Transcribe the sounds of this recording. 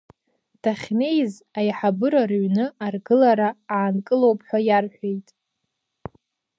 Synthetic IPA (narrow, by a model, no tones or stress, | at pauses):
tʰaχʲne̞jz | ajħabɨɾarɥnɨarɡɨlaɾaaːnkʼɨlo̞wpʰʼħʷᶣajarħʷᶣejtʼ